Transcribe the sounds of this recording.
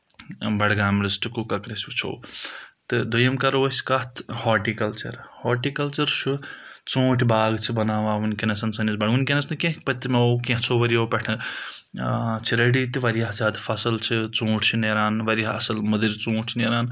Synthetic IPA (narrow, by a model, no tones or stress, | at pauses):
bɐɽɡaːmɾisʈkukɐkɾesut͡ʃʰo̰ːt̪ɨd̪ujɐmkɐɾoskɐt̪ʰhoːʈikɐlt͡ʃɐ̰ɾhoːʈikɐlt͡ʃɐɾt͡ʃʰut͡sõːʈʰbaːɡt͡ʃʰibɐnaːʋaːʋunkenɐsɐnsɐnɐsbɐɽʋunkenɐsɐnkẽɦpɐt̪ːmeokẽɦt͡ʃʰoʋɐɾijowpɐʈʰɨ | t͡ʃʰiɾɐɖit̪ʋɐɾijaɦzʲaːd̪fʰɐsɐlt͡ʃʰit͡sõːʈʰt͡ʃʰineɾaːnʋɐɾjaɐ̰sɐlmɐd̪iɾt͡sõːʈʰneːɾaːn